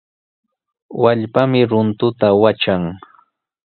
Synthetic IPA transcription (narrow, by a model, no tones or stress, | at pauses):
waʎpamɪɾʊnt̪ʊt̪awat͡ʃaŋ